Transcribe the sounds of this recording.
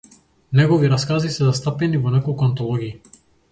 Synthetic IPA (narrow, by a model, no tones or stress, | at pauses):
nɛɡɔviɾaskazisɛzast̪apɛnivɔnɛkɔlˠkuant̪ɔlˠɔɡiː